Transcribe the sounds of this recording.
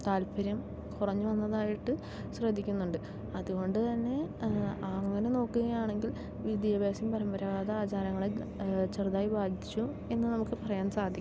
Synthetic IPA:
t̪aːlpʰɐɾjɐm | kurɐɲːuʋɐnːɐðaːjiʈːɨ | ɕrɐd̪ʱikʲːunːuɳɖɨ | ɐðuɣo̞ɳɖɨt̪ɐnːe̞ɐŋːɐne̞no̞ːkːuɣɐjaːɳe̞ŋɡil | ʋid̪jɐbaːsɐmpɐɾɐmbɐɾɐʋaːd̪ɐaːt͡ɕaːɾɐŋːɐɭet͡ɕerd̪aːjibaːd̪ʱit͡ɕːu | e̞nːɨnɐmukːɨpɐrɐjaːnsaːd̪ʱikʲː

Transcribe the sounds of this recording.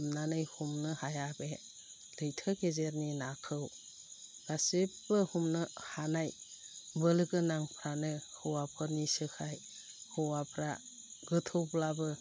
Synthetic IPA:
mnanɯjhumnɯhajabe | lɯjtʰɯɡezeɾninakʰɯw | ɡ̥asepbɯhumnɯhanajbɯlɯɡɯnaŋpʰɾanɯhɯwapʰɯɾnisɯkʰaj | hɯwapʰɾa̰ | ɡɯtʰɯwblabɯ

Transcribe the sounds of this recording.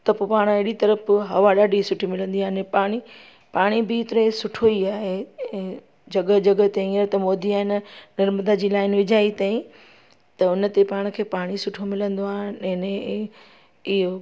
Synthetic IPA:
t̪ɐpopaːɽ̃ɐɦɪɽit̪ɐɾəfɦɐʋaɗaːɖʱisʊʈʰimɪlə̃nd̪iaːɪnpaːɽ̃i | paːɽ̃ibiːt̪ɪɾesʊʈʰoiaːɦeẽ | d͡ʑɐɡəd͡ʑɐɡə̆t̪eĩəɾt̪ɐmɔːd̪ʱiaːɦɪnnɐɾməd̪ad͡ʑiːlaːɪnʋɪd͡ʑʱaːit̪aːĩ | t̪ɐʊnə̆t̪epaːɽ̃kʰeːpaːɽ̃isʊʈʰomɪlə̃nd̪oaːɦɪnẽːne | ɪɦo

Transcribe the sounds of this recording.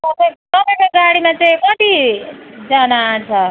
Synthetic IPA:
kʌtʌkʌtekoɡaɽimat͡sʌĩkʌt̪i | d͡zʌnat͡sʰʌ

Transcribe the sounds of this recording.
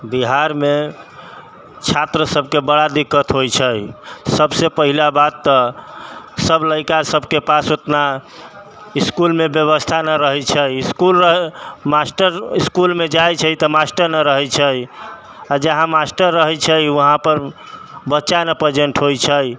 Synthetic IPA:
biɦaɾme | t͡ʃʰat̪ɾəsəb̚kebəɽad̪ikːət̪ɦojt͡ʃʰəjsəbsepəɦilabat̪ːɔ | səbləɪkasəbkepasot̪na | iskulmebjəβəst̪ʰanəɾəɦɛt͡ʃʰəjiskuləɦmasʈəɾiskulmed͡ʒajt͡ʃʰət̪əmasʈəɾnəɾəɦɛt͡ʃʰəj | ad͡ʒəɦãmasʈəɾːəɦɛt͡ʃʰəjəɦãpəɾ | bətːʃanəpɾəd͡ʒəɳʈɦojt͡ʃʰəj

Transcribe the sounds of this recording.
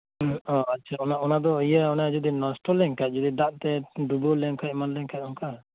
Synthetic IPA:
ɔat͡ʃʰaɔnaɔnad̪ɔəjaɔnaad͡ʒud̪inɔsʈɔlɛŋkac̚d͡ʒɔd̪id̪aʔt̪ɛɖubɔlɛŋkʰac̚manlɛŋkʰaʔ̚ˀɔŋka

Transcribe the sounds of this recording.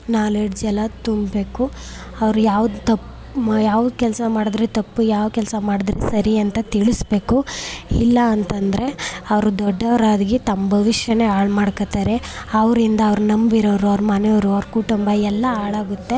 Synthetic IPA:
naːleɽd͡ʒɛlɐt̪umbbe̞ːku | ɐʋɾujaːʋud̪t̪ɐpː | jaːʋd̪ukɛlsɐmaːɽd̪ɾet̪ɐpːujaːʋkɛlsɐmaːɽud̪ɾḛsɐɾiɐnt̪ɐt̪iɭisbe̞ːkuilːɐːnt̪ɐnd̪ɾe̞ɐʋɾud̪ɔɖːɐʋɾaːd̪ɡit̪ɐmbʱɐʋiʂjɐne̞aːɭmaːɽkɐt̪aːɾe̞ɐʋɾind̪ɐːʋɾunɐmbiɾoːɾuɐʋɾmɐneoɾuɐʋɾkuʈumbɐɛlːɐaːɭaːɡut̪ːe̞

